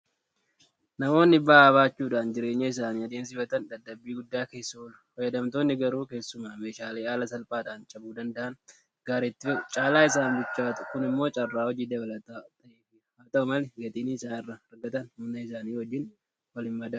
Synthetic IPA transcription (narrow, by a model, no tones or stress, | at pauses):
nɐmo̞ːnːɪbaːβaːt͡ʃːuːᶑaːnd͡ʒɪɾe̞ːɲːɐɪs̬aːniːɐd̪eːns̬ɪfɐt̪ɐnd̪ɐd̪ːɐbːiːɡʊd̪ːaːke̞ːsːɐlʊ̥hɔjɐd̪ɐmt̪o̞ːnːɪɡɐɾuːke̞ːsːʊmaːme̞ːʃaːleːaːlɐsɐlpʼaːᶑaːnt͡ʃʼɐbuːd̪ɐnd̪ɐʔɐn | ɡ̥aːɾeːt̪ːɪt͡ʃʼaːlaːɪs̬aːnbɪt͡ʃːaːt̪ʊ̥kʊnɪmːo̞ːt͡ʃʼɐrːaːwɔd͡ʒiːd̪ɐbɐlɐt̪aːt̪ɐʔeːfɪhaːt̪ɐʊmɐlɛɡɐt̪ʼiːnɪɪsaːnɪrːɐɐɾɡɐt̪ɐnhʊnɐɪs̬aːniːwɔd͡ʒːɪn | wɐlɪmːɐd̪ɐ